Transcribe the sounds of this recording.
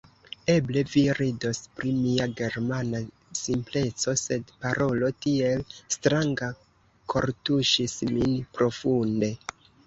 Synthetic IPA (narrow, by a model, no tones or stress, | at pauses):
e̞ble̞viɾido̞spɾimiaɡe̞ɾmana | simple̞t͡so̞se̞dpaɾʔo̞lo̞tie̞lstɾaŋɡa | kʰo̞ɾtuʃisminpɾo̞funde̞